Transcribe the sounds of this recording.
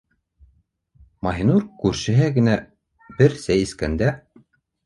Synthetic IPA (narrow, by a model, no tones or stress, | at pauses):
mɑɦinuɾkʉɾʃɘ̆ɦɘɡɘ̆næ | bɘɾsæjɘ̆skænd̪æ